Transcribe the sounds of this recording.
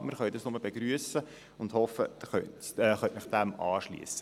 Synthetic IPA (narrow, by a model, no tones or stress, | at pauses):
mɪɾχœʏdɑsnʊməb̥eɡɾyəsə | ʊnd̥hɔfːədχœtɛχœtmɪχd̥̪æmɑːʃlḭːəsə